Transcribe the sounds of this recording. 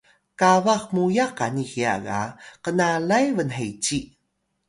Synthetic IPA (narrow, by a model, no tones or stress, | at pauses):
kavaxmujaqanixia̰ɡa̰qənalajvənɦejt͡ɕi